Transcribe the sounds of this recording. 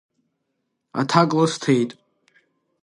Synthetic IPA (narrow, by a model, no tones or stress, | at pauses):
a̰t̪ʰakʼləstʰejtʼ